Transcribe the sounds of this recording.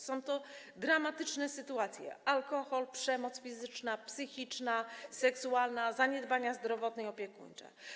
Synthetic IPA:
sɔ̃w̃t̪ɔ | d̪ɾamat̪ɘt͡ʂnɛsɘt̪uat̪sʲjɛ̰alkɔxɔlpʂɛmɔt̪sfʲizɘt͡ʂnapsɘxʲit͡ʂnasɛksualnazaɲɛd̪baɲazd̪ɾɔvɔt̪nɛjɔpʲjɛkṵɲt͡ʂɛ̰

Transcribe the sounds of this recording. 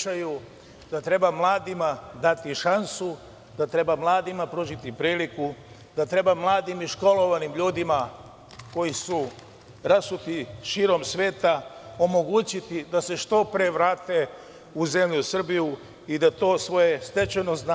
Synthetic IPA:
aju | d̪at̪ɾe̞bamlˠaːd̪imad̪at̪iʃansu | d̪at̪ɾe̞bamlˠaːd̪imapɾuːʒit̪ipɾiːliku | d̪at̪ɾe̞bamlˠaːd̪imiʃko̞lo̞ʋanimʎuːd̪ima | ko̞jisu | ɾasut̪iʃiːɾo̞msʋe̞ːt̪ao̞mo̞ɡut͡ɕit̪id̪ase̞ʃt̪o̞pɾeʋɾaːt̪e̞ | uze̞mʎusr̩biju | id̪at̪o̞ːsʋo̞je̞st̪e̞t͡ʃeno̞zn

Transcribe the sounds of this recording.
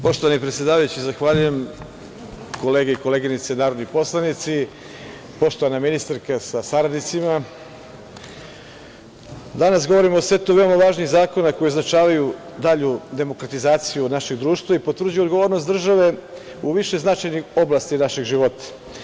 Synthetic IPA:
po̞ʃt̪oʋanipɾe̞t̪sjed̪aːʋajut͡ɕizaxʋaːʎuje̞m | koleːɡeiko̞le̞ːɡinit̪senaːɾod̪nipo̞slˠanit̪si | po̞ʃt̪o̞ʋanaminist̪aɾkasasaɾad̪nit̪sima | d̪anasɡo̞ʋo̞ɾimoːsʋe̞t̪uʋe̞omaʋaːʒniɣzaːko̞nako̞jioznat͡ʃaːʋaju | d̪aʎud̪e̞mo̞kɾat̪izaːt̪sijunaʃe̞ɡd̪ɾuːʃt̪ʋaipo̞t̪ʋr̩d͡ʑujuoɡoʋoɾnost̪d̪r̩ʒaʋe̞ | uʋiʃeznat͡ʃajnixo̞blˠast̪inaʃe̞ɡʒiʋo̞t̪ḁ

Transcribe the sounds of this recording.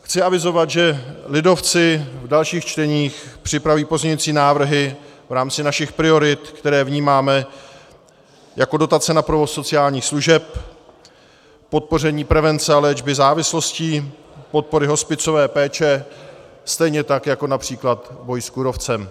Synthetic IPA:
xt͡sɪavɪzo̞vat̪ʒɛlɪdo̞ft͡sɪvdalʃiːxt͡ʃt̪ɛɲiːxpr̝̥ɪpɾaviːpo̞zɲɛɲuːt͡siːnaːvr̩ɦɪvɾaːmt͡sɪnaʃɪxpɾɪo̞ɾɪt̪kt̪ɛɾɛːvɲiːmaːmɛ | jʔako̞do̞t̪at͡sɛnapɾovo̞sːo̞t͡sɪaːlɲiːxsluʒɛp̚ | o̞t̪̚po̞rɛɲiːpɾɛvɛnt͡sɛalɛːd͡ʒbɪzaːvɪslo̞sciː | pot̪̚po̞ɾɪɦo̞spɪt͡so̞vɛːpɛːt͡ʃɛ | st̪ɛjɲɛt̪akjako̞napr̝̥iːklat̪bo̞jskuɾo̞ft͡sɛm

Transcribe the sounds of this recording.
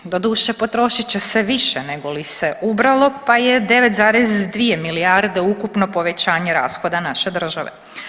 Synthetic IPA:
d̪o̞d̪uːʃepo̞t̪ɾo̞ʃit͡ɕeseʋiʃene̞ɡo̞liseʔubɾalˠo̞pajed̪e̞ʋet̪zaːɾezd̪ʋiemiliaɾd̪eukupno̞po̞ʋe̞t͡ɕaːɲeɾa̰ːsxo̞d̪anaʃe̞d̪r̩ʒaʋḛ

